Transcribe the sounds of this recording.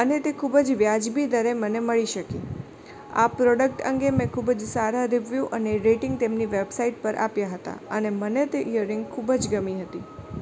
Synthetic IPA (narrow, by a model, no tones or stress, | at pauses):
ənet̪ekʰubəd͡ʒʋjad͡ʒbid̪əɾeməneməɭiʃəki | a̰pɾɔɖək̚ʈə̰ŋɡemɛ̃kʰubəd͡ʒsaɾaɾiʋjuʔəneɾeʈɪ̃ŋɡ̚t̪emniʋebsaiʈ̚pəɾʔa̰pjaɦət̪a̰ənemənet̪eʔijəɾɪŋɡkʰubəd͡ʒɡəmiɦət̪i